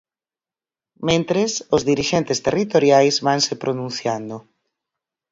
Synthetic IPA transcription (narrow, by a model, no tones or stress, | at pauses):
mẽnt̪ɾesʊzðiɾiʃent̪est̪erit̪oɾjajzβaŋsepɾonũn̟θjand̪ʊ